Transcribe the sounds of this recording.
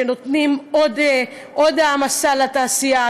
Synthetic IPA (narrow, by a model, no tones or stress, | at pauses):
eno̞t̪nimod̪ | ʔod̪amasalat̪aːsija